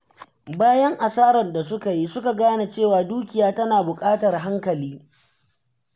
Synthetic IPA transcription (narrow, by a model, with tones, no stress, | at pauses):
baː˦jɐ˦ŋʔa˨saː˦ɾɐ˨nda˨sʊ˦ka˨ji˦sʊ˦ka˨ɡaː˦na˨t͡ʃeː˦˨waː˨duː˦kʲɪ˨jaː˦tɐ˦naː˨bʊ˨kʼaː˦tɐ˨rɦa˦ŋkɐ˨liː˦